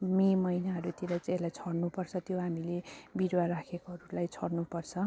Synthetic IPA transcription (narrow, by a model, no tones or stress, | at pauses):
memʌjnaɦʌɾut̪iɾajt͡selajt͡sʰʌɽnupʌrt͡sʰʌt̪joɦamilebiɾwaɾakʰekoɦʌɾulajt͡sʰʌɽnupʌrt͡sʰʌ